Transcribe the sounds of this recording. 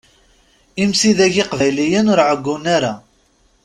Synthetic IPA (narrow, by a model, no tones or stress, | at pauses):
imsiðæʝɪqvæjlijənʊɾʕəɡʷːʊnaɾa